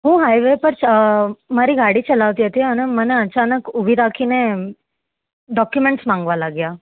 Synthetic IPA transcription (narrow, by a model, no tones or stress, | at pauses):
ɦũːɦajʋepəɾ | məɾiːɡaɽiːt͡ɕəlaʋt̪ijet̪iːanəməneət͡ɕanəkubʱiɾakʰiːne | ɖɔkjumeɳʈsmãŋɡʋalaɡja